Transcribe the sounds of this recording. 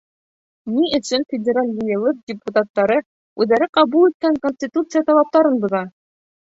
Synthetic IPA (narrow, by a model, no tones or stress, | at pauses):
niɘ̆sɘnfʲɪdʲɪɾalʲjɤ̆jɤ̆lˠɤk̚dʲɪput̪at̪ːɑɾɤ | ʉðæɾɘqɑβulˠit̪̚kæŋkonʲsʲtʲit̪ut̪sɨjat̪ɑlˠɑp̚t̪ɑɾɤnbɤ̆ðɑ